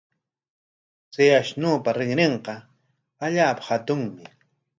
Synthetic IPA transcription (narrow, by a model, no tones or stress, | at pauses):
seaʃnoːpaɾɪŋneɴqɑ | aʎaːpḁhat̪ʊŋmɪ